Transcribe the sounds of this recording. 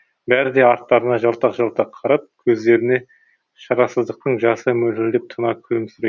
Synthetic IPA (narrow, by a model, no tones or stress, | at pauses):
bæɾɪd̪e̞ɑɾt̪ːɑɾənɑʒɑlˠt̪ɑqʒɑlˠt̪ɑqʰɑɾɑp̚kʲʰɵzd̪e̞ɾɪne̞ | ʃɑɾɑsəzd̪əq̚t̪əɴʒɑsəmɵlɪlɪd̪ep̚t̪ʰənɑkʲʰɵlɪmsʏɾe